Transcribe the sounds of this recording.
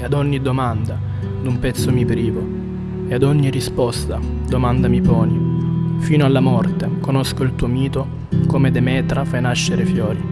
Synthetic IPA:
ad̪ɔɲːid̪omand̪a | d̪umpɛt̪sːomipɾiːvo | ead̪ɔɲːirispɔst̪a | d̪omand̪amipɔːnifiːnoalːamɔrt̪ekonoskoilt̪uːomiːt̪o | komed̪emɛːt̪ɾafajnaʃːeɾefjɔːɾi

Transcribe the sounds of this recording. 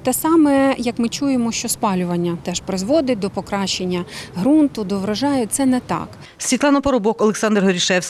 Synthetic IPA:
t̪ɛsɑmɛjɐkmɪt͡ʃujemɔʃt͡ʃɔspɑlʲʊʋɐnʲːɐt̪ɛʃpɾɪzʋɔd̪ɪt̚ʲd̪ɔpɔkɾɑʃt͡ʃenʲːɐɦɾunt̪ʊd̪ɔʋɾɐʒɑjʊt̪sɛnɛt̪ɑ̰k | sʲʋʲit̪lˠɑnɐpɔɾɔbɔkɔlˠeksɑnd̪rɦɔɾʲiʃɛwsʲ

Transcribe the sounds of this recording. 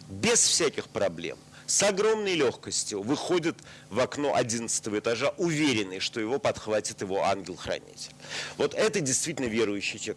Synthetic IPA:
bʲɪsfsʲækʲɪxpɾɐblʲḛm | sɐɡɾo̞mnəjlʲo̞xkəsʲtʲjʊvɨxo̞dʲət̪ | vɐkno̞̰ʔɐdʲinət̪sɨ̥t̪əvəɪt̪ɐʐaʔʊvʲeɾʲɪnːɨjʂt̪o̞jɪvo̞pɐt̪xvatʲɪt̪jɪvo̞a̰nɡʲɪlˠxɾɐ̰nʲḭtʲɪ̥lʲvo̞t̪ɛt̪ədʲɪjst̪vʲitʲɪlʲnəvʲeɾʊjʉɕːɪjtʲek

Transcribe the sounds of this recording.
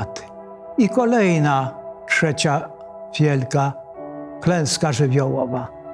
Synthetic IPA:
t̪ɪ̥ | ikɔlɛjnatʂɛt͡ɕa | vʲjɛlka | klɛ̃w̃skaʐɘvʲjɔwɔva

